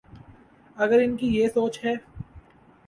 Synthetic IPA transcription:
ɐɡəɾɪnkijeːsoːt͡ʃɦɛː

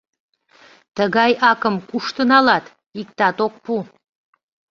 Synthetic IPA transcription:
t̪əɣɑjɑkəmkuʃt̪ənɑlɑt̪ | ik̚t̪ɑt̪ok̚pu

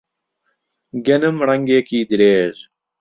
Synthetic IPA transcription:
ɡenɐmɾɐŋɡeːkiːd̪iɾeːʑ

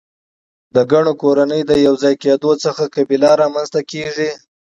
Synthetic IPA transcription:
d̪əɡaɳ̃okoɾanəjd̪əjawzɑjked̪ot͡səxakabilɑɾɑmanzt̪akeʐi

